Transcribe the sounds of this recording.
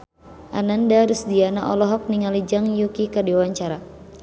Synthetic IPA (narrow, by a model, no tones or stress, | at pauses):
ʔanandadusdianaʔɔlɔɦɔk̚niŋalid͡ʒaŋjukikardiwaɲt͡ʃaɾa